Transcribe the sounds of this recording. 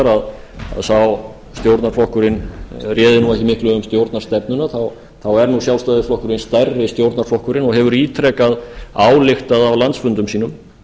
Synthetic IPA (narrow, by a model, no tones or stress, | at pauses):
ɾað | a̰ðθaw | st̪jowɾt̪naɾ̥flɔhkʏɾɪnrjɛːðɪnuːɛjhcɪmɪhklʏʏmst̪jowɾt̪naɾst̪ɛp̚nʏnaθaw | θawɛɾnusjawlst̪ajðɪflɔhkʏɾɪnst̪ajrːɪst̪jowɾt̪naɾflɔhkʏɾɪnɔɣɦɛvʏɾiːt̪ʰɾɛːkaðaːwlɪxt̪aðawlant̪sfʏnt̪ʏmsiːnʏm